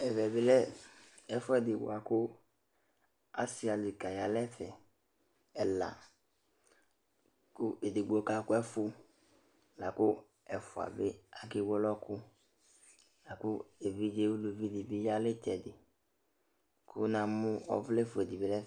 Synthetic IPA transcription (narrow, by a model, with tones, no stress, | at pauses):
ɛ˨vɛ˨bɪ˦lɛ˦ | ɛ˨fʊ˦ɛ˦dɪ˨bʊ̰˨a˨kʊ˦ | a̰˨sɪ˦a˨dɪ˨ka˨ja˨lɛ˦fɛ˨ | ɛ˨la̰˨ | kʊ˦e˨dɪ˨ɡ͡bo˨ka˨kʊ˦ɛ˦fʊ˦ | la˨kʊ˦ | ɛ˨fʊ˨a̰˨bɪ̰˦a˨kɪ˦wɔ˦lɔ˦kʊ˦ | la˨kʊ˦e˨vi˦d͡ʒe˦wu˦lu˨vi˦dɪ˨bɪ˦ja˦lɪ˦tɛ˨dɪ˨ | kʰʊ̰˦nã˨mʊ̃˦ɔ̰˦vlɛ˦fʊ˨ɛ˨di˨bɪ˨lɛ˦